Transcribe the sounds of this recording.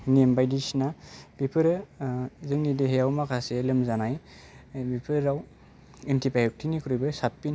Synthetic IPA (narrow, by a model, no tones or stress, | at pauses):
nembajdisinab̥ipʰɯɾɯzɯŋnideɦejawmakʰaselɯmzanaj | bipʰɯɾːaw | entʰipajɔk̚tʰinikʰɾujbɯsat̚pin